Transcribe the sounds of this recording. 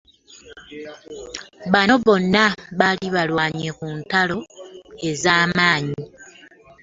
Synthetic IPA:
βano̞βo̞nːaβaliβalwaːɲekuntalo̞e̞zaːmaːɲi

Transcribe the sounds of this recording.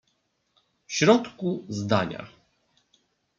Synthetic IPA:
fɕɾɔt̪kuzd̪aɲa̰

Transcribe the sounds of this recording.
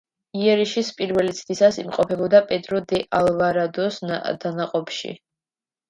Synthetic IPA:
iɛɾiʃispʼiɾvɛlit̪sʰt̪ʰisasimqʼɔpʰɛbɔd̪apʼɛd̪ɾɔd̪ɛʔalvaɾad̪ɔsnd̪̥anaqʼɔpʰʃḭ

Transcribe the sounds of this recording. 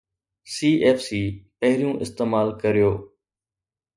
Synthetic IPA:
siːʔeːfsiːpəɦɾɪjũːʔɪst̪eːmaːlkəɾɪjoː

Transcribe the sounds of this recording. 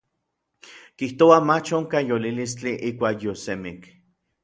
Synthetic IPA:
kiht̪oamat͡ʃoŋkajolilist͡ɬiʔiːkʷaːkjosemik

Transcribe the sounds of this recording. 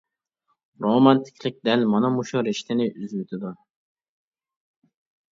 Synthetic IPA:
ɾomɑnt̪ʰɪ̥kʲlɪk̚ʲd̪ɛlmɑnɑmuʃuɾɪʃt̪ɪnɪʔyzwøt̪ʰɪd̪u

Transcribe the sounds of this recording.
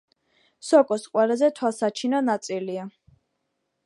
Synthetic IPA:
sɔkʼɔsqʼwaɾazɛt̪ʰwalˠsat͡ʃʰinɔnat̪sʼilia

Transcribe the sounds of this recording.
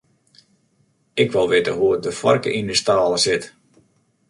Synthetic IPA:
ɪkʋalˠʋɪtəɦuət̚dəfɔ̰rkə̰ʔindəstaːlˠəsɪt

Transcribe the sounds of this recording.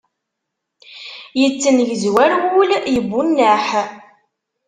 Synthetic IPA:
jət͡sːənlzwæɾwuljəbːunːəħ

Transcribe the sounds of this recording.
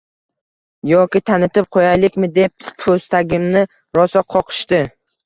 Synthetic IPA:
jɒkʲɪt̪ʰanɪt̪ɪp̚qʰojajlɪkʲmɪd̪e̞p̚ːʰɵst̪ʰaɡʲɪmnɪ | ɾɒsɒqʰɒqʰɨ̥ʃt̪ɪ

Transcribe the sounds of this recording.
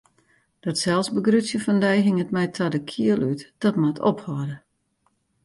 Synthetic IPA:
d̥ɔtsɛlˠsbəɡrytsjəfɔndɛjɦɪŋətmɛjtʰadəkʰiəlytd̥ɔtmatʰo̰phɔdə

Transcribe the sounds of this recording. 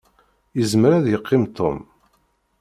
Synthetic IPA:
jəzmɾæðjəqʰːɪmt̪ʰo̰m

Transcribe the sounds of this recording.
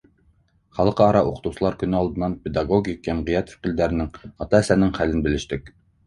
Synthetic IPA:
χɑlˠqɤɑɾɑʔuqə̥̆t̪uwsɤ̆lˠɑɾkʲynɘɑlˠd̪ɤ̆nːɑnped̪ɑɡoɡʲikhæmʁijɑt̪fɪ̥qild̪æɾɪnɪŋɑt̪ɑæsænɪŋχælɪnbɘ̆lɘ̆ʃt̪ɪk̚ʲ

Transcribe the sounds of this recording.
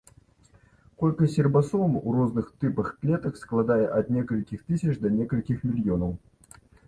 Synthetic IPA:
kolʲkəsʲɪrbɐsomuroznɨxt̪ɨpəxklʲet̪əksklˠad̪ajəʔɐt̪nʲekəlʲkʲɪxt̪ɨsʲət͡ʃd̪ɐnʲekəlʲkʲɪxmʲɪlʲjonəw

